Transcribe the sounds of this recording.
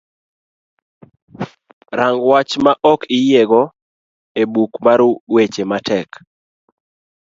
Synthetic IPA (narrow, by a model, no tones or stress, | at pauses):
ɾaŋɡwat͡ʃmaʔɔkɪjeɡɔ | ebukmaɾwet͡ʃematɛk